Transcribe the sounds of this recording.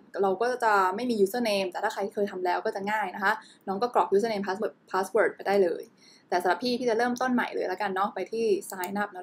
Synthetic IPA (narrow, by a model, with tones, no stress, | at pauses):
ɾa˧wkɔː˥˩t͡ɕa˨˩ma˥˩jmiː˧juː˦˥sɤː˧˩neː˧mt̪ɛː˨˩aː˥˩ɾa˧j̪ʰiː˥˩ɤː˧jt̪ʰa˧mlɛː˦˥wkɔː˥˩t͡ɕa˨˩ŋaː˥˩jna˦˥kʰa˦˥ʔnɔː˦˥ŋkɔː˥˩klɔ˨˩k̚juː˦˥s̬ɤː˧neː˧mpʰaː˦˥wɤː˧˩pʰaː˦˥swəː˨˩t̪̚pa˧jdaː˥˩jlɤː˧j | t̪ɛː˨˩sa˧˥ɾa˧p̪ːʰiː˥˩t̪ʰiː˥˩t͡ɕa˨˩ɾɤː˥˩mt̪o˥˩nma̰˨˩jlɤ̰ː˧jla˦˥ka˧nːɔː˦˥˩ŋ̚pa˧jt̪ʰiː˥˩saː˦˥jna˦˩p̚nɔ˦˥